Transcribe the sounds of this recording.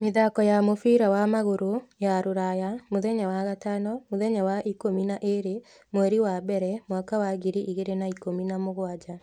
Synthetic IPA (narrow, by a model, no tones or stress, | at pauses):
miðakɔjamofiːɾawamaɣoɾojaɾoɾajamoðɛɲawaɣatanɔmoðɛɲawaʔikominaʔeɾe | moɛɾiwabɛɾɛmwakawaɣiɾiʔiɣeɾenaikominamoɣwad͡ʒa